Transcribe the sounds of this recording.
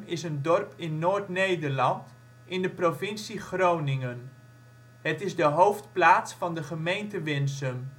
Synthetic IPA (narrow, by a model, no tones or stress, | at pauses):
mɪsəndɔrpɪnːoːɹtnejdərlɑnt | ʔɪndəprovɪnsiχrownɪŋən | ɦətɪzdəɦowftplaːtsfɑndəχəmejntəʋɪnsəm